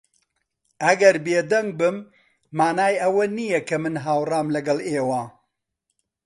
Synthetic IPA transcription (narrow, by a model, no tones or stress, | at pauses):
ʔɐɡɐɾbeːd̪ɐŋɡ̚bɨmː | aːnaːjɐwɐnijɐkʰɐmɨnɦaːwraːmlɐɡɐlˠeːwaː